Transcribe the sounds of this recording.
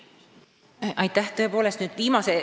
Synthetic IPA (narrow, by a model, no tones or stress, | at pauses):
ʔɑjt̪ːˑæht̪ɤ̞e̞po̞ːlest̪nyːd̪viːmɑse